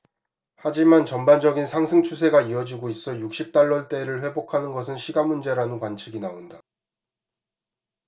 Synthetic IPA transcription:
had͡ʑimant͡ɕʌmband͡ʑʌɡinsʰaŋsʰɯŋt͡ɕʰus̬ʰe̞ɡaiʌd͡ʑiɡois͈ʌjuk̚ɕ͈ip̚t͈aɭːʌɭt͈e̞ɾɯɭɸwe̞bokʰanɯnɡʌsʰɯnɕʰiɡamund͡ʑe̞ɾanɯnkwant͡ɕʰiɡinaonda

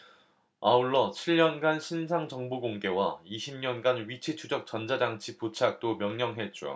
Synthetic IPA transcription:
auɭːʌt͡ɕʰiʎɲʌnɡanɕʰinsʰaŋd͡ʑʌŋbuɡoŋɡe̞waiɕʰimɲʌnɡanɥit͡ɕʰitʰud͡ʑʌk̚t͡ɕ͈ʌnd͡ʑad͡ʑaŋt͡ɕʰiput͡ɕʰak̚t͈omjʌŋɲʌŋɦe̞t̚t͡ɕ͈o̰

